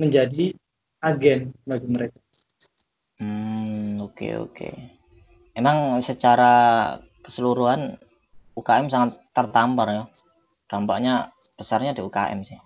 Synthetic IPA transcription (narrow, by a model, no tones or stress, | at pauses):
məɲd͡ʒadi | aɡɛnbaɡiməɾeka | m̩okḛo̰kḛ | memaŋsət͡ʃaɾakə̥səluɾuɦan | ukaɛmsaŋat̪ːərt̪amparjɔ | d̥ampa̰ʔɲab̥əsarɲadiuka̰ʔɛ̰msɪh